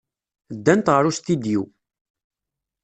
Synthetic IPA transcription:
d̪ːænt̪ʁəɾust̪id̪ju

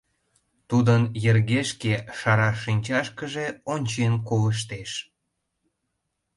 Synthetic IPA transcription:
t̪ud̪ənjerɣeʃkeʃɑɾɑʃinʲt͡ɕɑʃkəʒeonʲt͡ɕenkoləʃ̬t̪eʃ

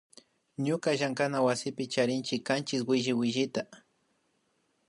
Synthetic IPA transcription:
ɲʊkaʒaŋkanawasɪpɪt͡ʃaɾɪnt͡ʃɪkːant͡ʃɪswɪʒɪwɪʒɪt̪a

